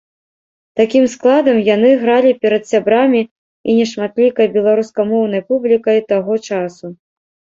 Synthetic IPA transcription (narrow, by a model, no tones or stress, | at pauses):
t̪akʲimsklˠad̪ɐmjan̪ɨɣɾalʲipʲɛɾɐt̪sʲabɾamʲi | ḭnʲɛʂmat̪lʲikɐjbʲɛlˠaɾuskɐmɔwn̪ɐjpublʲikɐjt̪aɣɔt͡ʂasu